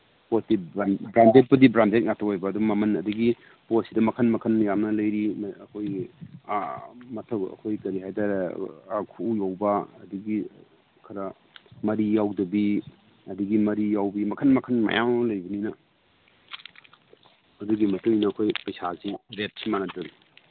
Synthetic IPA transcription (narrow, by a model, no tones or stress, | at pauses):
posdibɾandet̚pɐdibɾandet̚ŋatʰawajbɐːduːɐmɐnɐduɡi | posidɐmɐkʰɐnmɐkʰɐnjamnɐlɐjɾimɐkʰoj | mɐtʰɐwɐ̰kʰojkɐɾiɦajda | kʰujawbɐɐduɡi | kʰɐɾɐ | mɐɾijawdɐbi | ɐduɡimɐɾijawbimɐkʰɐnmɐkʰɐnma̰ja̰mlɐjbɐninɐ | ɐduɡimɐtuŋinɐːkʰojpɐjsazibet̚simanɐtɐɾ